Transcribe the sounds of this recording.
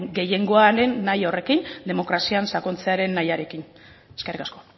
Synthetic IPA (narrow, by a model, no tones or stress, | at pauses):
ɡe̞je̞ŋɡo̞aɾe̞nːajore̞kind̪e̞mo̞kɾasiansakont͡seaɾe̞nːajaɾe̞kin | ekerikasko̞